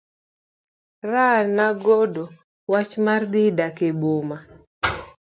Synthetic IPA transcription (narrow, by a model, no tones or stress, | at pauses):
ranaɡodo | wat͡ʃmard̪ɪdakeboma